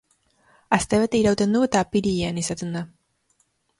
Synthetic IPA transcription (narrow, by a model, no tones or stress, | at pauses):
ast̪eβet̪eiɾawt̪e̞nd̪uet̪apiɾieanisat̪end̪a